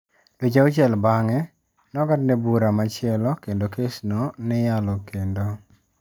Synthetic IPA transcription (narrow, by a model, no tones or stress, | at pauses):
ded͡ʒaʊt͡ʃɛlbaŋɛ | nɔɡadnɛbuɾamat͡ʃɪɛlɔkendokesnɔnɪjalɔkendo